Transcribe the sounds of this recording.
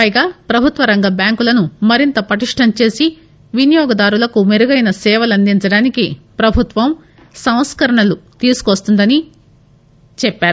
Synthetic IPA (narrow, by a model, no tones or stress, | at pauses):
pɐjɡaːpɾɐbʱut̪ʋɐɾɐŋɡɐbjaːŋkulɐnumɐɾint̪ɐpɐʈiʂʈʰɐmt͡ʃe̞ːsi | ʋinijɔːɡɐd̪aːɾulɐkumeɾuɡɐjnɐsɛːʋɐlɐnd̪iɲt͡ʃɐɽaːnikipɾɐbʱut̪ʋɐm | sɐw̃skɐɾɐɳɐlut̪iːsu̥kʋɐst̪und̪ɐni | t͡ʃɛpːaːɾu